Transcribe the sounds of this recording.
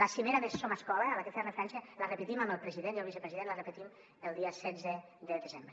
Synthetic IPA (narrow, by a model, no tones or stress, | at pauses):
asimeɾamessomaskɔlaːlak̪əfɛrnəfɾansalarəpət̪imaməlˠpɾəziðeniəlˠβisəpɾeziðenlərəpət̪im | əlˠd̪iasɛzə | d̪ədəzembɾe